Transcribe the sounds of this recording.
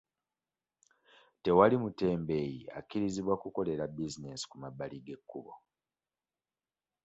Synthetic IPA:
te̞walimute̞ːmbe̞ːjia̰kːiɾiziβwakuko̞le̞ɾabizine̞si̥kumabːaliɡe̞kːuβo̞̰

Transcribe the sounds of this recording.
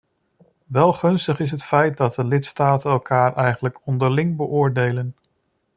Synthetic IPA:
ʋɛlˠχɵnstəχɪs̬ɦətfɛjt̚dɑt̚dəlɪtstaːtənɛlˠkʰaːɹʔɛjχənləkɔndəɹlɪŋbəʔʊːɹdejlən

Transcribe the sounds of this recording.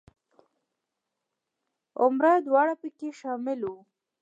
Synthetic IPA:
ʊ̰mɾad̪wɑɽapəkeʃɑmɪlu

